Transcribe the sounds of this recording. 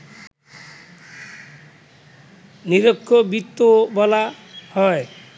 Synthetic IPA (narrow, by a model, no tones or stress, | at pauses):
niɾokʰːobit̪ːobɔla | hɔe